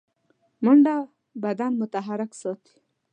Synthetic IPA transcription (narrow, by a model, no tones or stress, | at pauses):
məɳɖa | bad̪anmʊt̪aɦaɾɪksɔt̪i̥